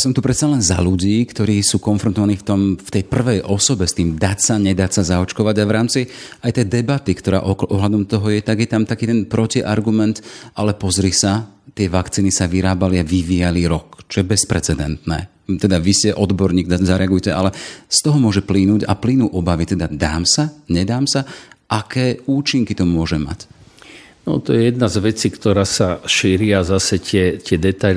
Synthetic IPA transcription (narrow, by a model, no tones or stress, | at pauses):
jasɔmt̪upɾɛt̪t͡salɛnza̰luɟiːkt̪ɔɾiːsuːkɔnfɾɔnt̪ɔʋaniːft̪ɔmft̪ɛjpr̩ʋɛjʔɔsɔbɛst̪iːmd̪acsaɲɛd̪acsazaɔt͡ʃkɔʋaɟaʋɾaːmt͡siajt̪ɛjd̪ɛbat̪ikt̪ɔɾa̰ːʔɔʔɔɦlad̪ɔmt̪ɔɦɔjɛt̪aɡjɛt̪amt̪akiːt̪ɛnpɾɔciʔa̰ɾɡumɛnt̪ʔalɛpɔzɾisat̪ɪɛʋakt͡siːnisaʋiɾaːbaliaʋiʋijaliɾɔkt͡ʃɔjɛbɛspɾɛt͡sɛd̪ɛnt̪nɛ̰ː | t̪ɛd̪aʋiscɛʔɔd̪bɔɾɲiːɡzaɾɛaɡujcɛʔalɛst̪ɔɦɔmʊɔʒɛplinuːɟa̰plinuːʔɔbaʋit̪ɛd̪ad̪a̰ːmsaɲɛd̪aːmsaʔakɛːuːt͡ʃiŋkit̪ɔmʊɔʒɛma̰c | nɔ̰t̪ɔjɛjɛd̪̚nazʋɛt͡siːkt̪ɔɾaːsaʃiːɾɪazasɛcɪɛt̪ɪɛd̪ɛt̪a